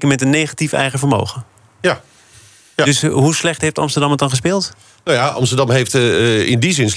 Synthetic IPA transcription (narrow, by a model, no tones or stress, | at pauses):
kəmɛtənːejχatifɛ̰jχəvəɹmo̰wχə | dɵsɦuslɛχtɦejftɑ̰mstəɹdɑmətɑnχəs̬pɪːlˠt | nowjaʔɑ̰mstədɑmɦejftɪndizɪns